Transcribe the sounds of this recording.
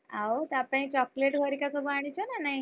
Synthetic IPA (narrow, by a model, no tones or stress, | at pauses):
aot̪apãĩt͡ɕɔkleʈbʱəɾikat͡sɔbaɽ̃it͡ɕɔnanai